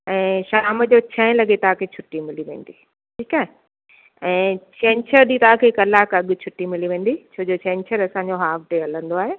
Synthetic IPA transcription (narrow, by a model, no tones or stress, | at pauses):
ɛ̃ːʃaːməd͡ʑoːt͡ɕʰɐ̃ɪ̃lɐɠet̪ɐãkʰet͡ɕʰʊʈːimɪliʋḛ̃ːn̆d̪i | ʈʰiːkaːɦe | ɛ̃ːt͡ɕɛ̃ːɲt͡ɕʰəɾd̪iːt̪ɐãkʰekɐlaːkɐɠʊt͡ɕʰʊʈːimɪliʋẽːn̆d̪it͡ɕʰoːd͡ʑot͡ɕʰɛ̃ːɲt͡ɕʰəɾɐsãːɲd͡ʑoɦaːfʈeɐlə̃nd̪oaːɦeː